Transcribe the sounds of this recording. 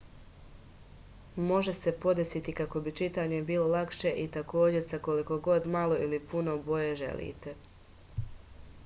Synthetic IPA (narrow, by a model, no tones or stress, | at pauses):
mo̞ʒe̞se̞po̞d̪esit̪ikako̞bit͡ʃit̪aːɲe̞biːlˠo̞lakʃe̞ʔit̪ako̞ːd͡ʑe̞ɾsako̞liko̞ɡo̞d̪malˠo̞ilipuno̞bo̞jeʒe̞̰lḭːt̪e̞